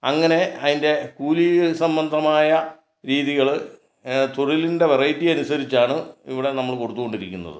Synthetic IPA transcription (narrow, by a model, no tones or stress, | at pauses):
ɐŋːɐne̞ɐðinde̞kuːlisɐmbɐnd̪ʱɐmaːjɐ | ɾiːðiɣɐɭ | t̪oɻilinde̞ʋerɐjtːijɐnusɐɾit͡ɕːaːɳɨiʋiɽe̞nɐmːɐɭko̞ɽut̪ːuɣo̞ɳɖiɾikʲːṵnːɐ̰ðɨ̰